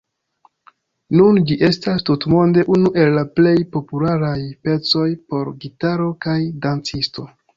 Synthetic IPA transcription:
nund͡ʒiʔe̞stastutmo̞nde̞ʔunuʔe̞lːaple̞jpo̞pulaɾajpe̞t͡so̞jpo̞ɾɡitaɾo̞kajdant͡sisto̞

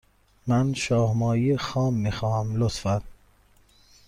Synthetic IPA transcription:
mænʃɒːhmɒːjixɒːmːiːxɒːhæmlot̪fæn

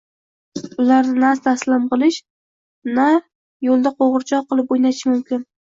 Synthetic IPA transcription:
ʊlaɾnɪnast̪ʰaslɪmqɨlˠɪʃ | na | jolˠd̪aqʰoʁɨɾt͡ʃʰɒqːɨlˠɪp̚ojnat͡ʃʰɪmʊmkʲɪn

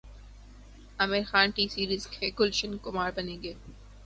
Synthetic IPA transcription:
ɐmɪɾxaːnʈiːsiːɾɪskeːkʊlʃənkʊmaːɾbɐneːɡeː

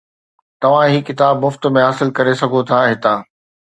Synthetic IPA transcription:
t̪ɐʋ̤ãɦiːkɪt̪aːbmʊft̪̆mẽɦaːsɪlkɐɾesɐɡʱot̪ʰaːɦɪt̪aː

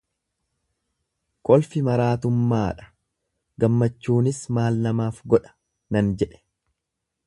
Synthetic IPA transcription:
kɔlfɪmɐɾaːt̪ʊmːaːᶑɐ̥ | ɡɐmːɐt͡ʃːuːnɪsmaːlnɐmaːfɡɔᶑɐ̥ | nɐnd͡ʒɛᶑɛ̥

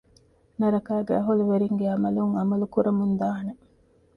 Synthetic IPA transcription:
nɐɾɐkaːɡeɐɦuluʋeɾiŋɡeɐmɐluŋɐmɐlukuɾɐmund̪aːɐne

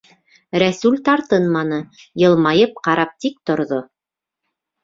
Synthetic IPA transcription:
ɾæsʉlʲt̪ɑɾt̪ɤnmɑnɤ | jɤ̆lˠmɑjɤp̚qɑɾɑp̚t̪ik̚t̪ŏɾðo

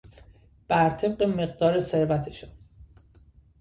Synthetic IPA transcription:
b̥æɾt̪ʰe̞b̚ɢeme̞ɢ̚d̪ɒːɾese̞ɾvæt̪ʰeʃon

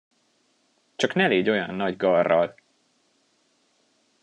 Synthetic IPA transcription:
t͡ʃɒknɛleːɟo̞jɒnːɒɟɡɒrːɒl

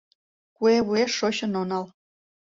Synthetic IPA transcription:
kueβueʃːoɕə̆nonɑl

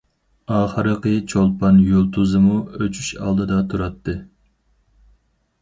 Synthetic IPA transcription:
ɑːχəɾɨqɨt͡ʃʰolˠpɑnjolˠt̪ʰuzɨmuøt͡ʃʰy̥ʃɑ̰lˠd̪ɨd̪ɑt̪ʰuɾɑt̪ʰːɨ

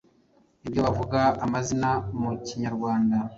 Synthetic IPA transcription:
ibjo̞βavuɡaamazinamuciɲaɾɡwaːnda

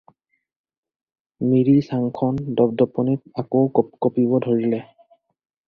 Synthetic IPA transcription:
miɹisaŋkʰɔndɔbdɔpɔnit̚akowkkɔpiβɔdʱoɹilɛ

